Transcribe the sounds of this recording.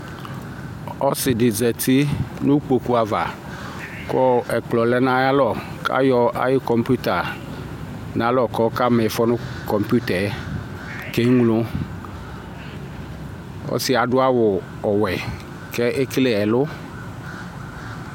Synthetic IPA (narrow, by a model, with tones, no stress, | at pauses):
ɔ˦sɪ˨dɪ˨zɛ˨t̪i˦nʊ̃˦k͡po˨ku˦a˨va̰˨ | kɔ˦ɛ˨k͡plɔ˨lɛ˦nã˦ja˦lɔ˦˨ | ka̰˦jɔ˦ʔa̰˦jɪ˦kɔ˨mpu˦t̪a˨ | nã˨˦lɔ˦˨kɔ˦ka˦mɛ˨fɔ˦nʊ̃˦kɔ˨mpu˦t̪ɛ˨˦ | ke˦ŋlʊ̃˦ | ɔ̰˦sɪ˨˦a˨ɖʊ˦a˦wʊ˨ | ɔ˨wɛ˨ | kɛ˦ʔe˦klɛ˦ɛ˨lʊ˦